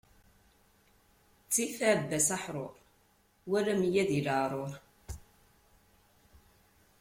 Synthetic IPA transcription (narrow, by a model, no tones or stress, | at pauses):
t͡sːifæʕbːæsaħɾˤoɾˤ | wælæmjæðiləɾˤoɾˤ